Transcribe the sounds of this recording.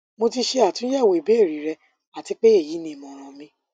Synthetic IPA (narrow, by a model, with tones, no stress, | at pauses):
mo˧ti˧ʃe˧a˨tũ˦ɛ˦˨wo˨i˨be˨˦e˦˨ɾi˨˦ɾɛ˧ | a˨ti˧k͡pe˦e˦˨ji˨˦nĩ˧˨mɔ̃˧˨ɾ̃ã˧mĩ˧